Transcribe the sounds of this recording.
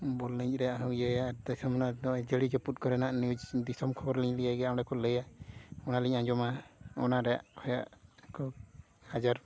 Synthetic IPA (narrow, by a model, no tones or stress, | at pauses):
bɔlliɲɾɛjaʔɦɔjajad̪ajsamɔnad̪ɔd͡ʒəlid͡ʒɔput̪̚ˀkɔɾɛnaʔnid͡ʒd̪isɔmkʰɔbɔɾliɲlijaɡɛjanɛkʰɔləjaɔnaliɲãd͡ʒɔmaɔnaɾɛja̰ʔkʰɔja̰ʔkʰɔ | had͡ʒaɾ